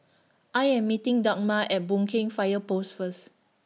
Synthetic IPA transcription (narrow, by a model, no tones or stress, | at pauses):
ʔajɛ̃mːitĩŋdak̚maʔɛt̚bũŋkʰẽŋfajəposfəs